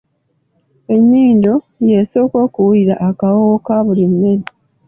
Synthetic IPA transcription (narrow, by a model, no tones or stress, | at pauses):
e̞ɲːiːndo̞ | jeso̞ːko̞ːkuwuiɾaʔːkawokaβulinːeɾi